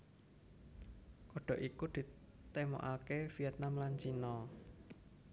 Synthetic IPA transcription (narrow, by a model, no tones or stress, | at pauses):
kɔɖ̥ɔ̤ʔikud̪̥i̤ | t̪emɔ̰ʔakefijɛt̪̚namlant͡ʃinɔ